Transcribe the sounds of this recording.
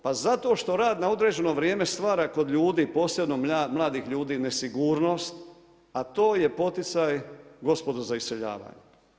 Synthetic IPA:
pazat̪o̞ʃt̪o̞ɾaːd̪naod̪ɾe̞ːd͡ʑe̞no̞ʋɾjeːme̞st̪ʋaːɾako̞d̪ʎuːd̪iːpo̞ːsjebno̞mamlˠaːd̪ixʎuːd̪iːnesiɡuːɾno̞st̪ | at̪o̞ːje̞po̞t̪it̪sajɡo̞spo̞d̪ozaist̪eʎa̰ːʋa̰ːɲe

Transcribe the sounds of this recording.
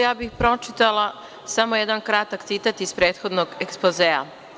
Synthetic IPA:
jaːbixpɾo̞t͡ʃit̪alˠa | samojɛd̪ankɾat̪akt̪it̪at̪ispɾeːt̪xo̞d̪noɡekspozeːa̰

